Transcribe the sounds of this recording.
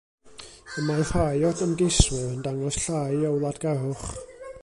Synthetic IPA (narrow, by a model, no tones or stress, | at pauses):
əmahajɔdəmɡɪswəəndaŋɔsɬaːjɔwlˠadɡ̥aɦʊχ